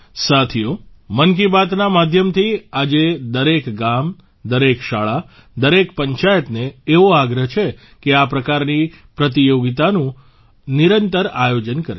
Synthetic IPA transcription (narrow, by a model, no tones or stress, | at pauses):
sat̪ʰijo | mənk̬ibat̪namad̪ʱjəmt̪ʰiad͡ʒed̪əɾekɡam | d̪əɾekʃaɭa | d̪əɾekpəɲt͡ʃajət̪neːʋoaɡɾəɦt͡ʃʰe | keapɾəkaɾni | pɾət̪̬ijoɡit̪anũ | niɾənt̪əɾajod͡ʒənkəɾe